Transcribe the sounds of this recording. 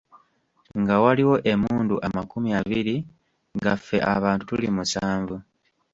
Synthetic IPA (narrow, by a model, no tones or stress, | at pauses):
ŋɡawaliwo̞ʔemuːnduʔamakumiaβiɾi | ŋɡafːe̞̰ʔa̰βaːntu̥tulimusaːɱvu